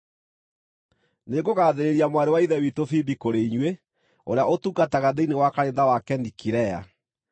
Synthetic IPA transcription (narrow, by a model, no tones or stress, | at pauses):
neɡoɣaːðeɾeɾiamwaɾewaiðɛwitofibikoɾeiɲwe | o̰ɾejaʔotukataɣaðeinewakaɾenðawakɛnikiɾɛja̰